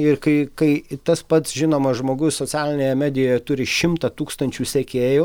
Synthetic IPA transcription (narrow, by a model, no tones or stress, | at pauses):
ɪrkɐɪkɐɪt̪ɐspɐt̪sʒʲɪnoːmɐʒmoːɡʊssoːt͡sʲæːlʲɪnʲeːjɛmʲæːd̪ʲɪjojɛt̪ʊɾʲɪʃʲɪmt̪ɐt̪uːkst̪ɐnʲt͡ʃʲuːsʲɛkʲeːjo